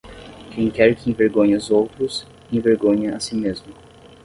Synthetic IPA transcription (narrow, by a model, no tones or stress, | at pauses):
kʰẽj̃kɛɾkɪẽveɾɡõɲɐʊzowt̪ɾʊs | ẽveɾɡõɲɐɐsimezmʊ